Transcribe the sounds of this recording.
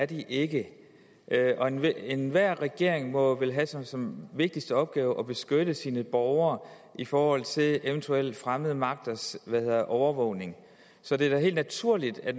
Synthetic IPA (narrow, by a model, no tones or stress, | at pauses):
æɐd̥iʔe̝ɡ̥ə | ʔʔɒ̽enenʋæɐ̰ʁɛɡ̥e̝ɐ̰eŋmɒ̽ʋelɦæsɒ̽sɒ̽mʋe̝ɡ̥̚d̥isd̥əɒ̽b̥̚ɡ̥ɛːʊʔɒ̽b̥e̝sɡ̥øɾ̥əsiːnəb̥ɒʊɐː | ifɒːhɒ̽l̰t͡sʰe̝leʊnt͡sʰuel̰d̥fʁaməð̞ˠmɑ̈ɡ̥̚d̥ɐsʋæhe̝ð̰ˠɐðˠʔɒʊɐʋɔʊ̰ne̝ŋ | sɒ̽d̥e̝æɐɦe̝̰ːld̥næt͡sʰuɐ̰lid̥æ̥